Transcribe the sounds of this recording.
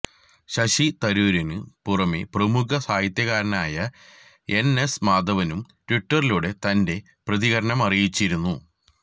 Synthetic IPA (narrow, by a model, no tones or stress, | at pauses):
ɕɐɕit̪ɐɾuːɾɐnɨpurɐmeprɐmukɐsaːjit̪jɐɣaːɾɐnaːjɐ | e̞ne̞smaːd̪ɐʋɐnum | ʈwiʈːɐriluɽe̞t̪ɐnde̞ | prɐðiɣɐɾɐɳɐmɐrijit͡ɕːiɾunːu